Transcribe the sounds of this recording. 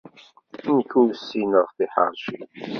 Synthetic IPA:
nkusːinəʁθiħɑ̰ɾˤʃi

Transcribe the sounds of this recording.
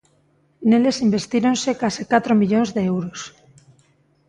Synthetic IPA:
nelesimbe̞st̪iɾonsekasikat̪ɾomiʎonzðeewɾos

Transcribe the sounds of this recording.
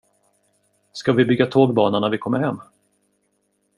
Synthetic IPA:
skavɪbʏɡːat̪ʰoːɡbɑːnanæɾvɪkʰɔmːəɾhɛmː

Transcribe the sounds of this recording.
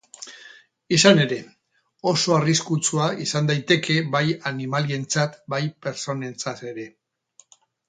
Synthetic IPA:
isane̞ɾe̞ | o̞so̞ariskut͡suaisand̪ajt̪e̞ke̞bajanimalie̞nt͡sat̪bajpe̞ɾso̞ne̞nt͡sat̪e̞ɾe̞

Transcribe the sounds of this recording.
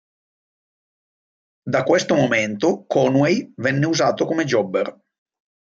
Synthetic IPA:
d̪akwest̪omoment̪okɔnwejvɛnːeuzaːt̪okomed͡ʒɔbːer

